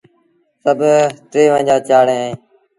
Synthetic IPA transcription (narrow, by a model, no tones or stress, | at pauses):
səbʱt̪ɾeːʋə̃ːd͡ʒaːt͡ʃaːɽẽːẽː